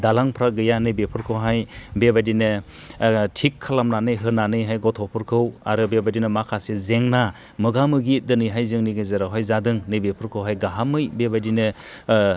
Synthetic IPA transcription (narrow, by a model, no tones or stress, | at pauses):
dalaŋpʰɾaɡɯjanɯjbepʰɯɾkʰɯwɦajbebadinɯ | tʰikʰːalamnanɯjɦɯnanɯjɦajɡɔtʰɔpʰɯɾkʰɯwaɾɯbebadinɯmakʰasezeŋna | mɯɡamɯɡit̚dɯnɯjɦajzɯŋniɡɯzaɾawɦajzadɯŋnɯjbepʰɯɾkʰɯwɦajɡaɦamɯjbebadinɯ